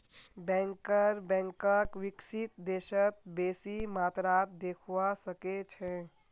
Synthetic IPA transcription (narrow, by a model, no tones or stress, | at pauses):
bɛ̃ːŋkəɾbɛ̃ːŋkəkʋɪkʃɪt̪d̪eːʃət̪̚beːsimaːt̪ɾaːt̪̚d̪eːkʰasəket͡ʃʰɛ